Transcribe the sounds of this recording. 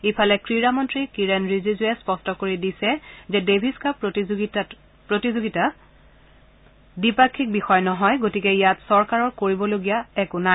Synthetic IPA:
ipʰalɛkɹiɹamɔntɹikiɹɛnɹizizuɛspɔstɔkoɹidisɛzɛdebʱiskapa | pɹotizoɡita | dipakʰːik̚bixɔjnɔɦɔjɡotikɛijatsɔɹkaɹɔɹkoɹibɔloɡijaɛkʊna

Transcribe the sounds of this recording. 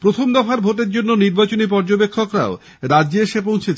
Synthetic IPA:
pɾot̪ʰomd̪ɔfaɾbʱoʈeɾd͡ʑonːoniɾbat͡ɕonip̬ɔɾd͡ʑobekʰːokɾa̰o | ɾadd͡ʑeʃep̬õw̃t͡ɕʰet͡ɕʰ

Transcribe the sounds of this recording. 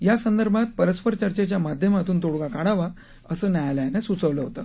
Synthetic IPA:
jasənd̪əɾbʱat̪̚pəɾəspəɾt͡ɕəɾt͡ɕet͡ɕjamad̪ʱjəmat̪uːnt̪oɽɡakaɽaʋa | əsəːnajalaanasut͡səʋləːɦot̪a

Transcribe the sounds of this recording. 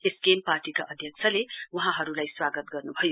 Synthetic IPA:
eskemparʈikaʔʌd̪ʱjʌk̚t͡sʰʌlewuɦãɦʌɾulajswaɡət̪ɡʌrnubʱʌjo

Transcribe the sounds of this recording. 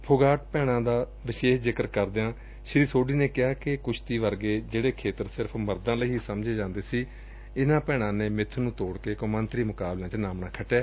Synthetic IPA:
pʰʊɡaːʈ̚pɛːɽ̃ãːd̪aː | ʋɪʃeːʃzɪkəɾkəɾd̪eãː | ʃɪɾiːsoːɖiːneːkɪaːkɪkʊt͡ʃʰt̪iːʋəɾɡeːd͡ʒeːɽeːkʰeːt̪əɾsɪɾəpʰməɾd̪ãːləiiːsəmd͡ʒeːd͡ʒãːnd̪eːsiː | ɪnãːpɛːɽ̃ãːneːmɪt̪ʰːnũːt̪oːɽkeːkõmənt̪ɾiːmʊkaːblãːt͡ʃnaːmnãːkʰəʈːaː

